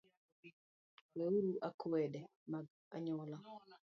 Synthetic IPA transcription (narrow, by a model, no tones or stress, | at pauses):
weuɾuʔakwɛdɛ | maɡ | a̰ɲɔla